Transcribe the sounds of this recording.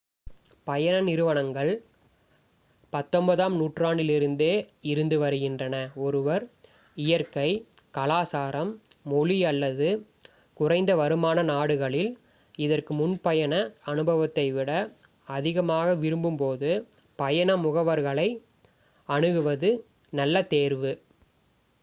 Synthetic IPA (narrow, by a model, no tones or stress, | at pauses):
pɐjɐnɐnɪɾɯʋɐɳɐŋɡɐɭ | pɐt̪ːɔmbɐðaːmnuːʈraːɳɖɪlɪɾɯnd̪eːɪɾɯnd̪ɯʋɐɾɯɣɪndrɐnɐɔɾɯʋɐɾ | ɪjɐɾkɐɪkɐlaːsaːɾɐmːɔɭiɐlːɐðɯ | kʊrɐɪnd̪ɐʋɐɾɯmaːnɐnaːɽɯɣɐɭɪl | ɪðɐrkɯmʊnpɐjɐnɐɐnɯbɐʋɐt̪ːɐɪʋɪɽɐː | ðɪɣɐmaːɣɐʋɪɾɯmbɯmpoːðɯ | pɐjɐnɐmʊɣɐʋɐɾɣɐɭɐɪ | ɐnɯɣɯʋɐðɯ | nɐlːɐt̪eːɾʋɯ